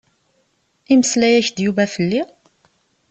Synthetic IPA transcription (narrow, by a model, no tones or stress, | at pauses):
iməslæjæçd̪juvæfəlːi